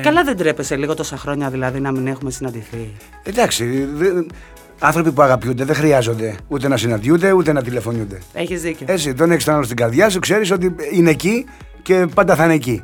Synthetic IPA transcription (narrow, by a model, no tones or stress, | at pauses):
kɐlɐðend̪ɾepe̞seliɣo̞t̪o̞sɐxɾo̞ɲɐðilɐðinɐmine̞xume̞sinɐnd̪iθi | ed̪ɐksiðe | ɐnθɾo̞pipuɐɣɐpjund̪e̞ðexɾiɐzo̞nd̪e̞ut̪e̞nɐsinɐnd̪jund̪e̞ut̪e̞nɐt̪ile̞fo̞nund̪e̞eçizðiceoe̞t͡ssit̪o̞nekist̪onɐlost̪iɡɐɾðʝɐs̬ukse̞ɾis̬o̞t̪̬iine̞ːci | ce̞pɐnd̪ɐθɐneci